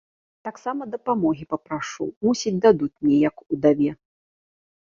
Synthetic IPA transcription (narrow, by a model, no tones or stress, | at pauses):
t̪aksamɐd̪ɐpamɔɣʲipɐpɾaʂṵmusʲid͡zʲd̪ad̪ut͡sʲmnʲɛjɐkud̪avʲɛ